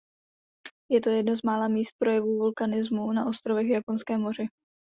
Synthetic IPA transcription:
jɛt̪o̞jɛdnozmaːlaːmiːst̪̚pɾo̞jɛvuːvulkanɪzmunaʔo̞st̪ɾo̞vɛɣvjapo̞nskɛːmo̞r̝ɪ

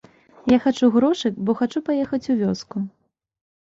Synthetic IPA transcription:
jaxat͡ʂuɣɾɔʂɨkbɔxat͡ʂupajɛxɐt͡sʲuvʲɔsku

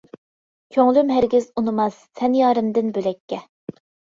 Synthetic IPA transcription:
kʲʰøŋlymɦæɾɡʲizunɨmɑsːɛnjɑːɾɨmd̪ɨnbølɛkʲːɛ

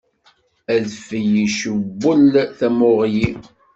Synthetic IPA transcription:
æðfəjiʃəbːəlθæmʊʁji

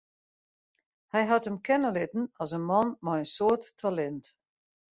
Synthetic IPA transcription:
hɛjɦatəmkɛnəlɪtn̩ɔsənmɔnmaənsoətːʰalɛnt

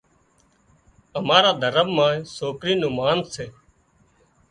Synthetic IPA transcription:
əmaːɾaːd̪ʱəɾəʋmãːĩːsoːkɾiːnũːmaːnseː

